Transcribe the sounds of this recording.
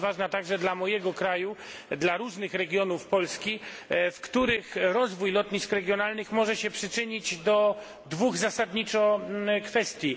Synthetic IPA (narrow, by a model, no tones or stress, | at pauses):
vaʐnat̪aɡʐɛd̪lamɔjɛɡɔkɾajud̪laɾuʐnɘxɾɛɡʲjɔnufpɔlskʲifkt̪uɾɘxɾɔzvujlɔt̪ɲiskɾɛɡʲjɔnalnɘxmɔʐɛɕɛpʂɘt͡ʂɘɲid͡ʑd̪ɔ | d̪vuɣzasad̪ɲit͡ʂɔkfɛst̪ʲji